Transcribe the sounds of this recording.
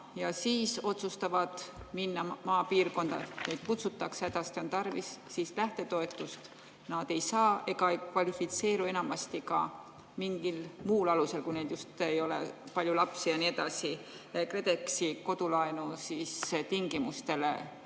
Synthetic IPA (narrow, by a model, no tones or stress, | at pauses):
jɑsiːso̞t̪sust̪ɑvɑd̪̥minːɑmɑːpiːrko̞nd̪ɑ̰nejd̪̥̚kut̪sut̪ːˑɑksæd̪̥ɑst̪io̞nt̪ɑrvisːiːslæht̪e̞t̪o̞e̞t̪ːˑust̪ | nɑd̪̥e̞jsɑːe̞ɡ̥ɑejkvɑlifit̪se̞ːɾue̞nɑmɑst̪ikɑ̰ | miŋɡ̥ilmuːlɑluse̞lkujne̞jd̪just̪ejo̞lḛpɑlʲjulɑpsijɑnie̞d̪̥ɑsi | ekre̞d̪̥e̞ksiko̞d̪ulɑenusiːst̪iŋɡ̥imust̪e̞le̞̰